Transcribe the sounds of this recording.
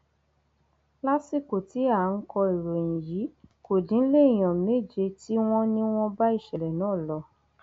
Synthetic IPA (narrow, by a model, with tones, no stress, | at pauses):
la˦si˦˨ko˨ti˨˦a˦˨˦n̩˦kɔ˧i˨ɾo˨j̃ĩ˨ji˨˦ko˨dĩ˨˦n̩˦le˦i˦˨j̃ã˨me˦˨d͡ʒe˧ti˦w̃ɔ̃˦nĩ˦w̃ɔ̃˦ba˦i˦˨ʃɛ˨lɛ˨nãː˦˨lɔ˧˦